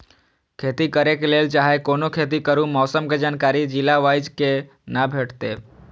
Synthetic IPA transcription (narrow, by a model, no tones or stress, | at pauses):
kʰeːt̪ikəɾekeleːlt͡ʃaːɦekoːnokʰeːt̪̬ikəɾũmɔːsəmked͡ʒaːnkaːɾid͡ʒɪlaʋajd͡ʒke | nabʱeʈt̪e